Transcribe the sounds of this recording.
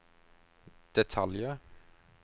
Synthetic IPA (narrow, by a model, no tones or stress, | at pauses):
d̪̥ɛt̪ʰɑljə